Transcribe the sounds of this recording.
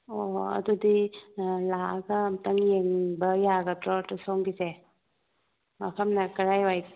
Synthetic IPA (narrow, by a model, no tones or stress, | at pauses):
oɐ̰dudilaɡɐmtɐŋjeŋbɐjaɡɐtɾɔtusawŋɡize | mɐkʰɐmnɐkɐɾajwaj